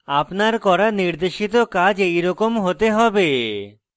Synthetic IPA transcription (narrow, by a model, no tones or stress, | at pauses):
apnaɾkɔɾaniɾd̪eʃit̪okad͡ʑejɾɔkomɦot̪eɦɔbe